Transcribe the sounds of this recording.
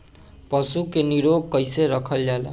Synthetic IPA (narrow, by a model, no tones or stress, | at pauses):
pʌsukeniɾoɡ̚kʌjseɾʌkʰʌljal̰